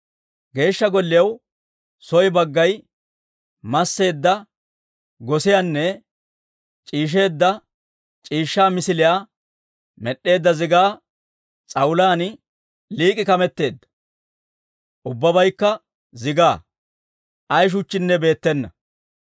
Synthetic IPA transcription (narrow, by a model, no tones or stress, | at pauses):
ɡe̞ːʃːɐɡɔlːɪjɐw | sɔjbɐɡːɐj | mɐsːe̞ːd̪ːɐ | ɡɔsɪjanːɛ | t͡ʃʼiːʃ̬e̞ːd̪ːɐ | t͡ʃʼiːʃːaːmɪsɪlɪjaː | mɛɗːe̞ːd̪ːɐzɪɡaː | t͡sʼɐwʊlaːn | liːkʼɪkɐmɛt̪ːe̞ːd̪ːɐ̥ | ʔʊbːɐbɐjkːɐ | zɪɡaː | ʔɐjʃ̬ʊt͡ʃːɪnːɛbe̞ːt̪ːɛnːɐ